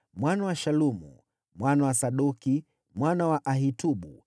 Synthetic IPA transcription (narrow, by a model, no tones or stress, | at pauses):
mwanawaʃalumṵ | mwanawasaɗuki | mwanawaʔaɦituɓṵ